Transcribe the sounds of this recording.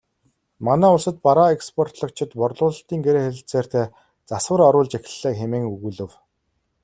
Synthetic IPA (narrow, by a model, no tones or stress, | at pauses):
manæːʊɮsə̆t̪̚paɾaekspʰɔrt̪ɮɞ̆k̚t͡ɕʰɪ̆t̪pɔrɮʊːɮə̆ɬt̪iːŋɡeɾeːxĕɬt͡seːr̥t̪eː | t͡saswə̆rɔɾʊːɮt͡ɕexʲɪ̥̆ɮːeːkxemeːŋɵɣuːɮɘ̆w